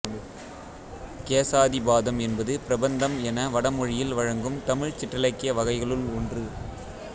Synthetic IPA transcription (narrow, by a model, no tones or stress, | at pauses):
keːsaːðibaːðɐmɛnbɐðɯpɪɾɐbɐnd̪ɐmɛnɐʋɐɽɐmɔɻɪjɪlʋɐɻɐŋɡɯmt̪ɐmɪɻt͡ʃɪʈːɐlɐɪkːɪjɐʋɐɣɐɪɣɐɭɯlɔndrɯ